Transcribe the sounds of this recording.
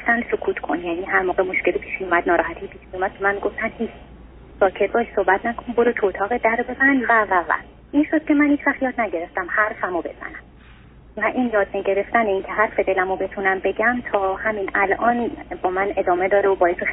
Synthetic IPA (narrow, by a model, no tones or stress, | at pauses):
ft̪ænd̪sokʰuːt̪ʰkʰo̞̰njæniːɦæɾmoːɣemo̞ʃce̞lipʰiːʃmijomæd̪nɒːɾɒːhæt̪ʰipʰiːʃmijomæd̪̚kʰomænmiɡoft̪ænd̪hiːt͡ʃʰ | sɒːcʰe̞t̪̚bɒːʃsohbæt̪ʰnækʰonboɾot̪ʰot̪ʰɒːɣed̪æɾbe̞zænvævævæ̰ | ʔinʃod̪̥̚cʰe̞mænhiːt͡ʃʰvæχt̪jɒːd̪næɟe̞ɾe̞ft̪æmhæɾfæmobe̞̰z̥æ̰næm | væʔiːnjɒːd̪meɟe̞ɾe̞ft̪æneiːncʰeɦæɾfe̞d̪e̞læmobe̞t̪ʰunæmbe̞ɟæmt̪ʰɒːhæminælʔɒːnbɒːmæne̞d̪ɒːme̞d̪ɒːɾeobɒːjese